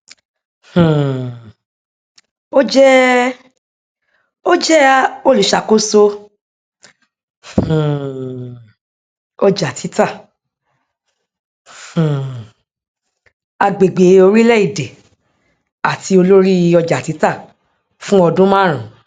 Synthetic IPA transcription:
h̩˨ | o˦d͡ʒɛ˦ | o˦d͡ʒɛ˦o˦lu˨˦ʃa˧ko˦so˦˧ | hũ˨ | ɔ˧d͡ʒa˨tʰi˨˦ta˦˨ | h̩˨ | a˧ɡ͡be˨ɡ͡be˨˧o˧ɾi˦lɛ˦i˦˨de˨ | a˨ti˧˦o˧lo˦ɾi˦˧ɔ˧d͡ʒa˨ti˨˦ta˦˨ | fũ˦ɔ˧dũ˦mãː˦˨ɾ̃ã˨

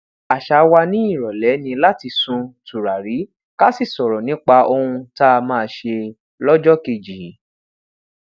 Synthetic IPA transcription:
a˨ʃa˨˦wa˧nĩ˦i˦˨ɾɔ˨lɛ˨˦nĩ˧la˦ti˧sũ˧tu˨ɾa˨ɾi˨˦ | ka˦si˦˨sɔ˨ɾɔ˨nĩ˨˦k͡pa˧ʔo˧hũ˧ta˦a˧mãː˦˧ʃe˧ | lɔ˦d͡ʒɔ˦ke˧˨d͡ʒi˨˦

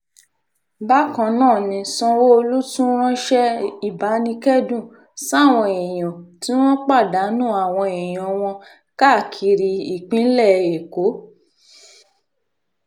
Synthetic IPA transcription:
ba˦kɔ̃˧nãː˦˨nĩ˧sɔ̃˧wo˦o˧lu˦tũ˦ɾ̃ɔ̃˦ʃɛ˦i˦˨ba˨˦nĩ˧kɛ˦dũ˦˨ | sa˦˨w̃ɔ̃˧e˨j̃ɔ̃˨ti˨˦w̃ɔ̃˦k͡pa˦˨da˨˦nũ˦a˦˨w̃ɔ̃˧e˨j̃ɔ̃˨w̃ɔ̃˧ | ka˦˨kʰi˧ɾi˧i˦˨k͡pĩ˨˦n̩˦lɛ˦˨e˨ko˨˦

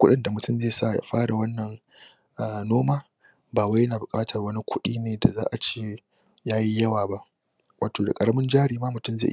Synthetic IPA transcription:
kʷʊ˦ɗɪ˦nda˨mʊ˨tʊ˦mzeː˦˨saː˦˨ja̰ː˨ɸaː˦ɽa˨wɐ˦nːɐ˨ŋ | ʔa˨noː˦maː˦ | baː˨wa˦jɐ˦naː˨bʊ˨kʼaː˦tʰɐ˨rwɐ˦ni˦kʷʰʊ˦ɗiː˦neː˨da˨za̰ː˦ʔa˨t͡ʃeː˦ | jaː˦ji˦jɐ˦waː˨ba˦ʔ | wʔaː˨toː˨da̰˨kʼɐ˨ɽɐ˦mɪ˦nd͡ʒaː˦ɽiː˨maː˦mʊ˨tʊ˦˨mzḛ˦˨ʔ

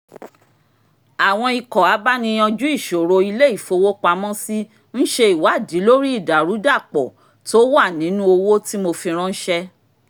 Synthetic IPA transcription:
a˨w̃ɔ̃˧i˨kɔ˨a˨˦ba˦nĩ˧j̃ɔ̃˧d͡ʒu˦i˦˨ʃo˨ɾo˧i˧le˦i˦˨fo˧wo˦k͡pa˧mɔ̃˦si˦ | n̩˦ʃe˧i˨wa˨˦˨di˨˦lo˦ɾi˦i˦˨da˨ɾu˨˦da˦˨k͡pɔ˨ | to˦wa˦˨nĩ˨˦nũ˦o˧wo˦ti˦mo˧fĩ˧ɾ̃ɔ̃˦n̩˦ʃɛ˧

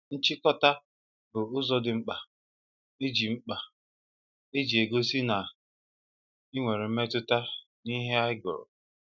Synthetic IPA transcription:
n̩˦t͡ʃɪ˦kɔ˦ta˦ | bʊ˨ʊ˦zɔ˨dɪ˨ŋ͡m̩˦k͡pa˨ | e˦d͡ʒi˨ŋ͡m̩˦k͡pa˨ | e˦d͡ʒi˨e˨ɡo˦si˦na˨ | i˦ŋʷe˨ɾe˨m̩˦me˦tʊ˦ta˦ | ni˦ɦe˦a˦ɪ˦ɡʊ̰˨ɾʊ̰˨

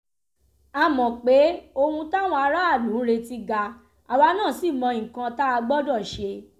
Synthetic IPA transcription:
a˧˨mɔ̃˨k͡pe˨˦o˧hũ˧ta˦˨w̃ɔ̃˧a˧ɾa˦a˦˨dũ˨˦ɾe˧ti˧ɡa˧ | a˨wa˧nãː˦˨si˦˨mɔ̃˧ĩ˨kã˧ta˦a˧ɡ͡bɔ˦dɔ˦˨ʃe˧

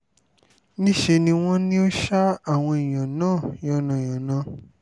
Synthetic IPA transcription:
nĩ˦ʃe˧nĩ˧w̃ɔ̃˦nĩ˦o˦ʃa˦a˦˨w̃ɔ̃˧i˨j̃ã˨nãː˦˨jɔ̃˨nã˨j̃ɔ̃˨nã˨˦

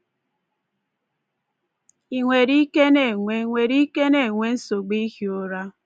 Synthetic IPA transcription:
i˨ŋʷe˨ɾi˦ke˦ne˨ŋʷe˦ŋʷe˨ɾi˦ke˦ne˦˨ŋʷe˦n̩˦so˨ɡ͡bi˦ɣjo˨ɾa˦

